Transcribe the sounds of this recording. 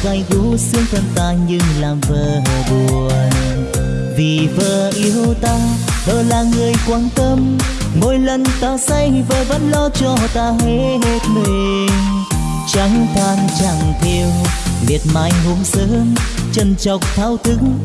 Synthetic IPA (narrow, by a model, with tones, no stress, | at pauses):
ka˧˩jɣo˨˧˦sɨ˧əŋt̪ʰə˧˩nt̪aː˧ɲɨ˧ŋlaː˨˩mvəː˧˨˩ɦəː˨˩ɗu˨˩əəən | vi˨˩vəː˨˩ʔi˨˦əwt̪aː˧ɗɔ˧˩laː˨˩ŋɨ˨˩əjkwaː˧˥nt̪ə˧m | mo˧˦jlə˨˩nt̪aː˧sa˧jvəː˨˩və̰˧˥nlɔ˧t͡ɕɔ˧˩t̪aː˧ɦe˧˦ɦe˧t̚mi˧˨˩ | ŋ | t͡ɕa˨˦ŋt̪aː˧nt͡ɕa˧˩ŋt̪ʰe˧əwli˨˩ət̚maː˧˩jŋu˧˦ŋ͡msəː˨˦nt͡ɕə˧nt͡ɕɔ˨˩wk͡p̚t̪ʰaː˧˥wt̪ʰɨ˨˦ŋ